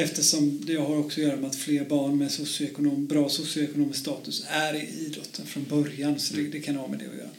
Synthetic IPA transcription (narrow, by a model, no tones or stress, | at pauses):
ɛft̪əʂɔmd̪ɛjɑɦaɾɔksɔjœːɾamɛat̪fleːɾbɑːɳmɛsʊsɪʊɛkʊnoːmbɾɑːsʊsɪʊɛkʊnoːmɪskst̪ɑːt̪ɵsæɾɛiːd̪ɾɔt̪ʰːənfɾɔnbœɾjansɔd̪ɛd̪ɛkʰanvɑːmɛ̰d̪ɛ̰ɔ̰jœ̰ːɾa